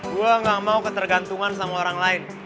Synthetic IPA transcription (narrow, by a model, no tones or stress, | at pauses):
ɡuaŋɡakmaukət̪ərɡant̪uŋansamaoɾaŋlaɪn